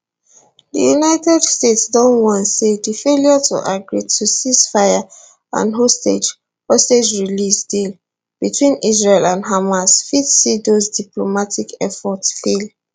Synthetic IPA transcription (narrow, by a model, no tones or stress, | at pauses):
də̰junaɪtɛdstetsdɔ̃nwɔ̃ntsedəfeljɔtʰṵʔaɡɹitʰusisfaɪa | ã̰nɦostḛd͡ʒ | hosted͡ʒɹilisdil | b̥itʰwĩnizɹelãnɦamasfidsidozdiplomatikɛfɔtsfel